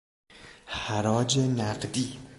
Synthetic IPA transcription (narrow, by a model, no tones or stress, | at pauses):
haɾɒːd͡ʒenæqd̪i